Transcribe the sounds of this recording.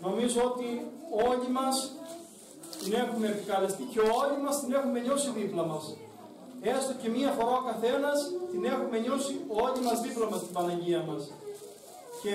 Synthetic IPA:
no̞mizo̞o̞t̪io̞ʎimɐs | t̪ine̞xume̞ːpikɐlest̪ice̞ooʎimɐst̪ine̞xume̞ɲo̞siðiplɐmɐs | e̞st̪o̞ce̞miɐxo̞ɾao̞kɐθe̞nɐst̪ine̞xume̞ɲo̞sioʎimɐzðiplɐmɐst̪ibɐnɐɲɟiɐmɐs | ce̞

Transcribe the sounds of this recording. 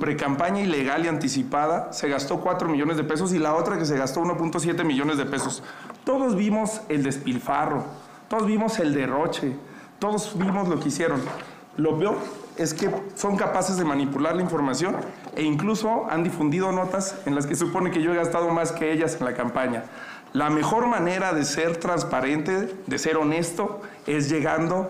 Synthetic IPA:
pɾe̞kampaɲaile̞ɣ̞aliant̪is̬ipaðase̞ɣast̪o̞kwat̪ɾo̞miʝo̞nezð̞epe̞s̬o̞s̬ilao̞t̪ɾake̞s̬eɣast̪ouno̞p̬unt̪os̬je̞t̪emiʝo̞ne̞zðepe̞so̞st̪o̞ðo̞zβimo̞se̞ld̪e̞spilfaro̞ | t̪oðozβimose̞ld̪e̞ro̞t͡ʃe̞ | t̪o̞ðo̞zβimo̞zlo̞keisje̞ɾo̞n | lo̞peo̞ɾe̞ske̞so̞ŋkapase̞zðe̞mãnipulaɾlaiɱfo̞ɾmasjo̞neiŋkluso̞a̰nd̪ifund̪ið̞o̞no̞t̪ase̞nlas̬kesupo̞ne̞ke̞ʝoeɣast̪að̞o̞maske̞eʝase̞nlakampaɲa | lame̞xo̞ɾmãne̞ɾaðe̞se̞ɾt̪ɾanspaɾe̞nt̪e̞ðe̞se̞ɾo̞ne̞st̪o̞ | e̞zʝe̞ɣand̪o̞

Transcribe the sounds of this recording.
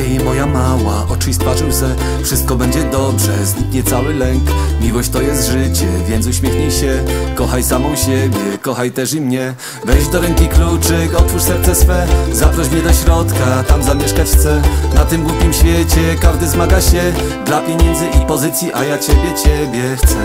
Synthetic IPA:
imɔjamawa̰ʔɔt͡ʂɘjst̪fat͡ʂɛwsɛ | fʂɘst̪̚kɔbɛɲd͡ʑɛd̪ɔbʐɛ̰zɲikɲɛt̪sawɘlɛŋk | mʲiwɔɕt͡ɕt̪ɔjɛst̪ʐɘt͡ɕɛvʲjɛnt̪uɕmʲjɛxɲijɕɛkɔxajsamɔ̃w̃ɕɛbʲjɛkɔxajt̪ɛʂimɲɛ | vɛjd͡ʑd̪ɔɾɛŋkʲiklut͡ʂɘɔt̪fuʂsɛɾt̪sɛsfɛzapɾɔɕmɲɛd̪ɔɕɾɔt̪kat̪amzamʲjeʂkat͡ɕxt̪sɛnat̪ɘmɡwupʲimɕfʲjet͡ɕɛkaʐd̪ɘzmaɡaɕɛd̪lapʲjeɲɛnd̪zɘʔipɔzɘt̪sʲjiʔajat͡ɕebʲjɛt͡ɕɛbʲjɛxt̪sɛ

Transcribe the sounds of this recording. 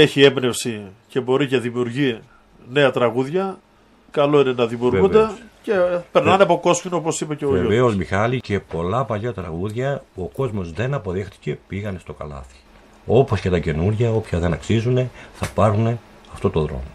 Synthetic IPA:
e̞çie̞bne̞fsice̞bo̞ɾiceðimiuɾʝi | ne̞ɐt̪ɾɐɣuðʝɐ | kɐlo̞ine̞nɐðimiuɾɣund̪ecepe̞ɾnɐneɐpo̞ko̞scinoopo̞sipeceoeoveo̞smixɐlice̞po̞lɐpɐʎɐt̪ɾɐ̰ɣuðʝɐpuoko̞zmo̞zðe̞nɐpo̞ðe̞xt̪i̥ce̞piɣɐne̞st̪o̞kɐ̰lɐ̰θi̥ | o̞po̞sce̞t̪ɐce̞nuɾʝɐo̞pçɐðe̞nɐksizune̞θɐpɐɾune̞ | ɐft̪o̞t̪oðɾo̞̰mo

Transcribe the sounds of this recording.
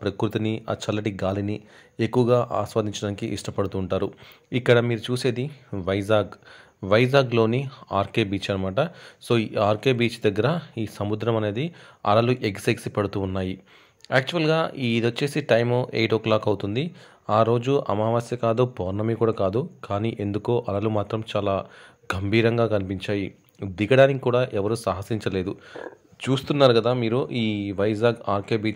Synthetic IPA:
pɾɐkɾut̪inia̰ːt͡ʃɐlːɐʈiɡaːlini | e̞kːuʋɐɡaːʔa̰ːsʋaːd̪ʱiɲt͡ʃɐɽaːnikiʔiʂʈɐpɐɽut̪uːɳʈaːɾu | ikːɐɽɐmiːɾut͡ʃuːse̞ːd̪iʋɐjzaːɡ | ʋɐjzaːɡlo̞ːniaːɾke̞ːbiːt͡ʃaːɾɐmaːʈɐso̞ːiaːɾke̞ːbiːt͡ʃid̪ɐɡːɐɾɐiːsɐmud̪ɾɐmɐne̞ːd̪iɐ̰ɽɐluʔeksɐksipɐɽut̪uːnːaːji | aːk̚t͡ʃuʋɐlɡaːʔiːd̪ɐt͡ʃːe̞ːsiʈɐjmoːʔḛːʈoːklaːkɐwt̪und̪i | aːɾo̞ːd͡ʒuʔɐ̰maːʋaːsjɐkaːd̪upɔːɾnɐmikuːɽaːkaːd̪ukaːniːʔe̞nd̪ukoːʔɐlɐlumaːt̪ɾɐmt͡ʃaːlaː | ɡʱɐmbʱiːɾɐŋɡaːkɐnipiɲt͡ʃaːji | d̪iɡɐɽaːnikikuːɽaːʔɛʋɐɾuːsaːɦɐsiɲt͡ʃɐle̞ːd̪u | t͡ʃuːst̪unːaːɾukɐd̪aːmiːɾuʔiːʋɐjzaːɡaːɾke̞ːbiːt͡ʃ

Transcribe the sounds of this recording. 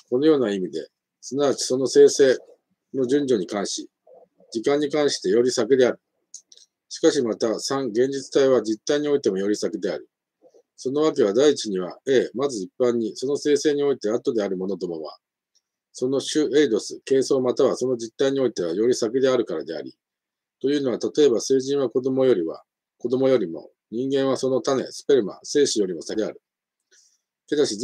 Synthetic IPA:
ko̞no̞jo̞ːnaimʲid̪e̞̰ | sɨnaβat͡ɕi̥so̞no̞se̞ːse̞ː | no̞ʑɨ̃ɲd͡ʑo̞ɲ̟ikãɰ̃ɕi | d͡ʑikãɲ̟ːikãɰ̃ɕi̥t̪e̞jo̞ɾʲisakɯd̪e̞aɾɯ̟ | ɕi̥kaɕimat̪asãŋɡẽ̞ɲ̟d͡ʑit͡sɨ̥t̪aiβad͡ʑit̪ːaiɲ̟io̞it̪e̞mo̞jo̞ɾʲisakɯ̟d̪e̞aɾɯ̟ | so̞no̞β̞ake̞β̞ad̪aiːt͡ɕiɲ̟iβae̞ːmazɨipːãɲ̟ːiso̞no̞se̞ːse̞ːɲ̟io̞it̪e̞at̪o̞d̪e̞aɾɯ̟mo̞no̞d̪o̞moβa̰ | so̞no̞ɕɨed̪o̞sɨke̞ːso̞ːmat̪aβaso̞no̞d͡ʑit̪ːaiɲ̟io̞it̪e̞β̞ajo̞ɾʲisakid̪e̞aɾɯ̟kaɾad̪e̞a̰ɾʲḭ | t̪o̞jɯːno̞β̞at̪at̪o̞e̞base̞ːʑĩɰ̃βako̞d̪o̞mo̞jo̞ɾʲiβa̰ | ko̞d̪o̞mo̞jo̞ɾʲimo̞̰ | ɲ̟ĩŋɡẽ̞ɰ̃β̞aso̞no̞t̪ane̞̰sɨ̥pe̞ɾɯ̟ma̰se̞ːɕijo̞ɾʲimo̞sad̪e̞aɾɯ̟ | ke̞d̪aɕi

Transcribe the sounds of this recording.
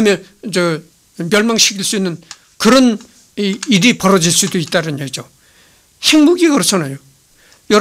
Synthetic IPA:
amjʌnd͡ʑe | mjʌɭmaŋɕʰi̥kʰiɭs͈uinːɯn | kɯɾʌn | idipʌɾʌd͡ʑiɭs͈udoit͈aɾɯɲaid͡ʑo | he̞ŋmuɡikɯɾʌt͡ɕʰanajo | jʌ

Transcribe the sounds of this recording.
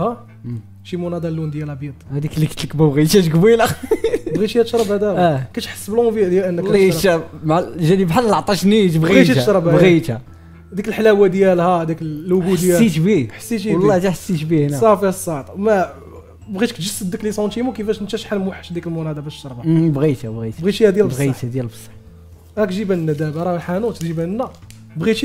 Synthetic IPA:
hæ | ʃimunæd̪ɑlːund̪jælbjid̪ˤhæd̪iklikət̪ləkbəbɣit̪hæʃɡbilæbɣihæt̪ʃɾˤɑbhæd̪æækæʃħə̥sːəblbid̪jæʔənːəliɾæmʕʒænibħalːlʕt̪ˤɑʃnit̪bɣiɣiitʃɾˤɑbæbdɣit̪hæ | d̪ikəlħlæwæd̪jælhæd̪ikːɡud̪jæit̪biħə̥sːitiwlːɑt̪iħəsːit̪bihnæsˤɑfiəsˤːɑʕt̪ˤmæ | bɣit̪kʒəsːəd̪iklisˤɑnt̪imukəfæʃnət̪æʃħalmwəħːə̥ʃd̪ikəlmunæd̪æbæʃːɑɾˤbɑbɣit̪æbɣit̪bɣit͡ʃihæd̪jælbɣit̪æd̪jælfsˤħ | ɾækʒibænnːæd̪æbɾˤɑwəlħanut̪ʒibænːæ | bɣit

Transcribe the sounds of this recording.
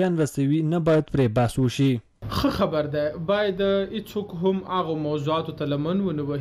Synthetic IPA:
ɑnɾasawinabɑjad̪̚pɾebɑswəʃi | xəxabaɾd̪ajbɑjad̪əhet͡sokɦʊmaɣomawzuɑt̪ot̪alamanwənəwə

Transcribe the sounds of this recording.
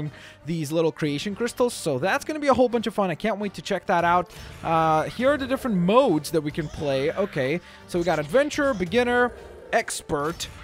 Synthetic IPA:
ŋ | ðizlɪɾl̩ˠkʰɹ̥ieɪʃɨ̃nkʰɹ̥ɪstl̩ˠz̥soʊðætsɡ̥ʌnəbiəɦoʊlˠbʌ̃nt͡ʃʌv̥fʌ̃naɪkʰæ̃nʔ̚weɪtʰɨt͡ʃʰɛk̚ðəɾaʊt̚ʔhiɹə˞ðɨdɪfɹə̃nmoʊdzðɨt̚wikɨ̃npʰl̥eɪoʊkʰeɪ | soʊwiɡɑɾɨdvɛ̃nt͡ʃə˞bɨɡɪ̃nə˞ | ɛkspə˞t

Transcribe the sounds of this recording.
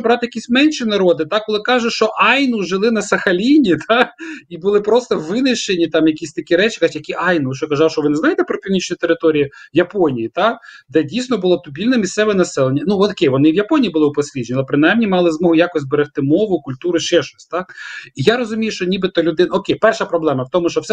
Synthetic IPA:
bɾɑt̪ɪjɐkʲisʲmɛnʲʃinɐɾɔd̪ɪt̪ɑkkɔlˠɪkɑʒʊʃt͡ʃɔʔɑjnʊʒɪlˠɪnɐsɐxɐlʲinʲit̪ʰɑkibʊlˠɪpɾɔst̪ɔʋɪnɪʃenʲit̪ɑmjɐkʲisʲt̪ɐkʲiɾɛt͡ʃɪ̥katʲjɐkʲiʔɑjnʊʃɔkɐzɑwʃɔʋɪnɛznɑjɪt̪ɛpɾɔpʲiwnʲit͡ʃnʲʊt̪eɾɪt̪ɔɾʲijijɐpɔnʲijit̪ɑkd̪ɛdʲijsʲnɔbʊlˠɔt̪ʊbʲilʲnɛmʲist̪sɛʋɛnɐsɛlˠenʲːɐnuɔkʲejʋɔnɪʋjɐpɔnʲijibʊlˠɪʊpɔsʲlʲiʒenʲilˠɛpɾɪnajmnʲimɑlˠɪzmɔɦʊjakɔsʲt̚ʲbeɾext̪ɪmɔʋʊkʊlʲt̪uɾʊʃt͡ʃɛʃt͡ʃɔsʲt̪ɑkijaɾɔzʊmʲijʊʃt͡ʃɔnʲibɪt̪ɔlʲʊd̪ɪnɔkʲejpɛrʃɐpɾɔblˠɛmɐwt̪ɔmʊʃt͡ʃɔwsɛ

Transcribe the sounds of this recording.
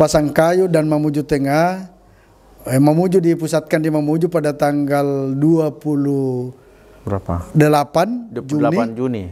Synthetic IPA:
pasaŋkajudanmamud͡ʒut̪əŋa | mamud͡ʒudipusat̪̚kandimamud͡ʒupadat̪aŋɡalduapulu | aadəlapand͡ʒuaniand͡ʒuni

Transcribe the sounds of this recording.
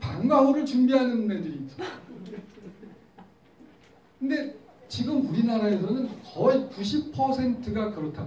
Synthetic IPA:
paŋɡaoɾɯɭt͡ɕumbiɦanɯnnedɯɾiːt͈ʌ̥ | kɯnde̞ | t͡ɕiɡɯmuɾinaɾae̞sʰʌnɯnkʌikuɕ̬ʰipʰʌsʰe̞ntʰɯɡakɯɾʌtʰa

